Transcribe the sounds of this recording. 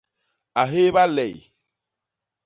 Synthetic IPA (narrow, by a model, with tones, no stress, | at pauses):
a˨ɦe˦ba˦lɛ˨j